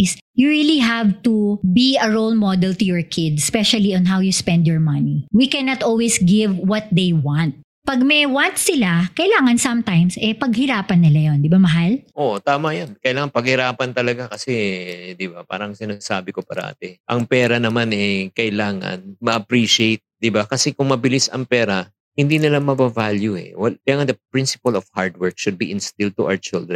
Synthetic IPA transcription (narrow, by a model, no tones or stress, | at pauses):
ɪs | juɹiliɦavt̪ubiɐɹolmɔd̪ɛlt̪ʊjɔɹkʰɪd̪spɛʃɐliɔ̃nɦawjuspɛ̃nd̪jɔɹmɐniwikɛnɐt̪ʔɔlwisɡɪvwɔt̪̚d̪ejwãnt̪̚ | pɐɡ̚mɛwant̪̚sɪlakɐɪlaːŋɐnsɐ̃mt̪ãjmsʔɛpɐɡhɪɾaːpɐnːɪlajond̪ɪbamɐɦalʔot̪aːmɐjankɐʔɪlaːŋɐnpɐɡ̚hɪɾaːpɐnt̪ɐlɐɡakɐsɛd̪ɪbapa̰ːɾɐŋsɪnasaːbɪkopa̰ɾɐ̰ʔa̰t̪ɛʔɐŋpɛːɾɐnɐmanɛkɐʔɪlaːŋɐ̰nmɐʔɐpɾiʃɪejt̪̚d̪ɪbakɐsɛkʊŋmɐbɪlisɐ̰ŋpɛːɾɐ | hɪnd̪iːnɪlamɐbavaljuɛ̰wɐkɐjlaːŋɐnd̪ɐpɹɪnsɪ̥pɐlɔfhaɹd̪wɛɹk̚ʃʊd̪̚biʔɪnst̪ɪl̚t̪ʊʔa̰wt͡ʃɪld̪ɾɛ